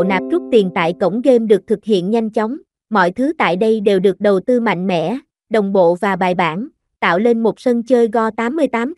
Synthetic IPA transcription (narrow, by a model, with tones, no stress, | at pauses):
naː˨˩p̚zu˦˥k͡p̚t̪i˨˩nt̪a̰ː˧˨jkə˧˩wŋ͡mɣe˧mɗɨ˨˩ək̚t̪ʰɨ˨˩k̚hḭ˧˨ənɲa˧jŋ̟t͡ɕɔ˨˦wŋ͡m | mɔ̰˧˨jt̪ʰɨ˨˦t̪a̰ː˧˨jɗə˧jɗe˨˩wɗɨ˨˩ək̚ɗə˨˩wt̪ɨ˧ma̰˧˨jŋ̟mɛ̰˧˨ | ɗə˨˩wŋ͡mɓo̰˧˨vaː˨˩ɓaː˨˩jɓaː˧˩n | t̪a̰ː˧˨wle˧nmo˨˩t̚sə˧nt͡ɕəː˧jɣɔ˧t̪aː˨˦mːɨ˧əjt̪aː˨˦m